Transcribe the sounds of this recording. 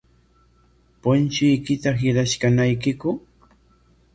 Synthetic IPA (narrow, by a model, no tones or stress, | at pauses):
pʊnt͡ʃʊjkɪt̪aɦɪɾaʃkanajkɪkʊ